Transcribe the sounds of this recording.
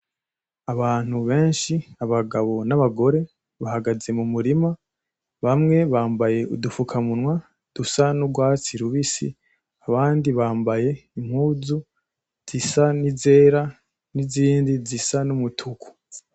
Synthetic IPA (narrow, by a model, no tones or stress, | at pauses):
aβaːn̥huβe̞ːnʃiaβaɡaβo̞naβaɡo̞ɾe̞ | βahaɡaze̞mumuɾima | βamŋe̞βaːmbaje̞ṵdufukʰamunwa | d̥usanuɡwaːt͡siɾuβisḭ | aβaːndiβaːmbaje̞im̥huːzu | z̥isanize̞ːɾa | niziːndizisanumutʰukʰu̥